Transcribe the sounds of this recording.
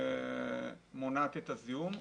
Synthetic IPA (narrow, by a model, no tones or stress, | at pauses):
monat̪et̪azium